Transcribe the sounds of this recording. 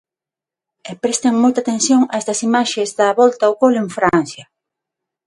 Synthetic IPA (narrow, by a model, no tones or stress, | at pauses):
epɾest̪eŋmojt̪at̪ẽn̟θjoŋaɛst̪ɐsimaʃezðɐβɔlt̪aokoleŋfɾan̟θjɐ